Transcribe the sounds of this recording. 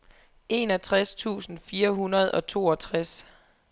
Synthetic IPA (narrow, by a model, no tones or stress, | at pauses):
ʔe̝nɒ̽t͡sʰʁast͡sʰṵːsn̩fiːɐɦunɐð̞ˠɒ̽t͡sʰo̝̰ːɒ̽t͡sʰʁas